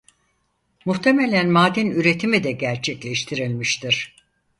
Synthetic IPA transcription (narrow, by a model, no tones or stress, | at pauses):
muht̪ʰe̞melʲænmaːd̪inyɾe̞t̪ʰimid̪ɛɟæɾt͡ʃʰɛclʲɛʃt̪ʰiɾilʲmiʃt̪ʰiɾ̥